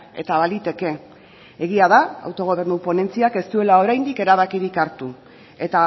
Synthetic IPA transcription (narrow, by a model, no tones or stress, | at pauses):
e̞̰t̪aβalit̪e̞ke̞ | eɣiað̞aa̰wt̪o̞ɣ̞o̞β̞e̞ɾnupo̞ne̞nt͡siake̞st̪ue̞lao̞ɾajnd̪ike̞ɾaβ̞akiɾikaɾt̪u | e̞t̪a